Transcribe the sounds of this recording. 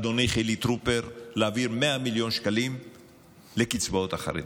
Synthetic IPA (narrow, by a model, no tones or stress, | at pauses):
d̪oniχelit̪ɾupeʁleaviɾmeamiljo̞nʃkalim | lekit͡sbaot̪aχa̰ɾḛd